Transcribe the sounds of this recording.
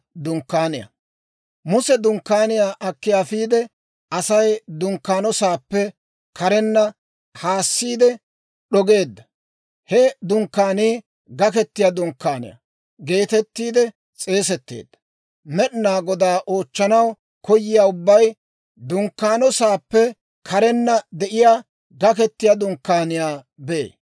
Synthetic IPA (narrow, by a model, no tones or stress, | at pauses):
d̪ʊŋkːaːnɪjɐ̰ | mʊsɛd̪ʊŋkːaːnɪjaːʔɐkːɪjaːfiːd̪ɛ | ɐsɐjd̪ʊŋkːaːnɔsaːpːɛ | kɐɾɛnːɐ | haːsːiːd̪ɛ | ɗɔɡe̞ːd̪ːɐ | hɛd̪ʊŋkːaːniː | ɡɐkɛt̪ːɪjaːd̪ʊŋkːaːnɪ̰jɐ̰ | ɡe̞ːt̪ɛt̪ːiːd̪ɛ | t͡sʼe̞ːsɛt̪ːḛːd̪ːɐ̥ | mɛɗnaːɡɔd̪aːʔo̞ːt͡ʃːɐnɐw | kɔjːɪjaːʊbːɐj | d̪ʊŋkːaːnɔsaːpːɛ | kʰɐɾɛnːɐd̪ɛʔɪjaː | ɡɐkɛt̪ːɪjad̪ʊŋkːaːnɪjaː | bɛḛː